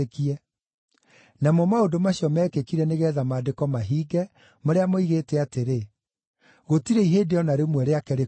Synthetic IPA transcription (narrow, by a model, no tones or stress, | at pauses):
ekiɛ | namɔmaodomaɕjɔmɛːkekiɾɛneɣɛːðamaːdekɔmaɦiːɡɛ | moɾeamoiɣetɛateɾe | ɣotiɾɛiɦeːdeɔnaɾemwɛɾeakɛɾe